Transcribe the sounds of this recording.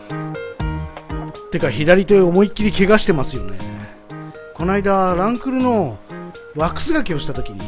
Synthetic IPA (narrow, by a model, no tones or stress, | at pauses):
t̪e̞kaçid̪aɾʲit̪e̞omo̞ikʲːiɾʲike̞ɡaɕi̥t̪e̞masɨjo̞nḛ | ko̞naid̪aɾãŋkɯɾɯ̟no̞ | βakɯ̥sɨɡakʲio̞ɕi̥t̪at̪o̞kʲiɲ̟ḭ